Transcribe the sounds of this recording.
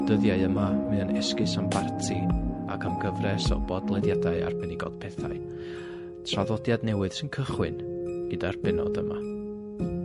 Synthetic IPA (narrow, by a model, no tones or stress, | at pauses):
d̥əðjaɨəmamɨənɛskɨsampʰartʰia̰kʰamɡəvrɛsɔ̰bɔdlˠɛdjadaɨa̰rbɛnɪɡɔ̰d̥pʰɛθa̰ɨ | tʰraðɔdjadnɛwɨð̥sɪnkʰəχwɨ̰nɡ̥ədarb̥ɛnɔ̰dəma